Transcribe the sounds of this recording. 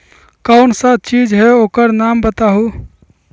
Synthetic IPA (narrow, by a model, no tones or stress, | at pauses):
kaʊnsãt̪̚t͡ʃid͡ʒɦeoːkəɾnambət̪aɦu